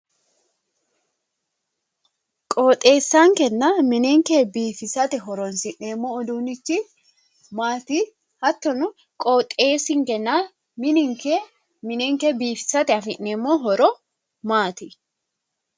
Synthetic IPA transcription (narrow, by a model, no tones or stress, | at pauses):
kʼoːt̪ʼe̞ːsːaːŋkɛnːamɪneŋkeːbiːfɪsɐt̪ɛɦɔɾɔnsɪʔneːmːo̞ːɔd̪uːnɪt͡ʃːɪ | maːt̪iː | hɐt̪ːɔnʊ | kʼoːt̪ʼeːsɪŋkɛnːaː | mɪnɪŋkeː | mɪneːŋkeːbiːfɪ̥sɐt̪ɛɐfɪʔneːmːo̞ːɦɔɾɔ | maːt̪i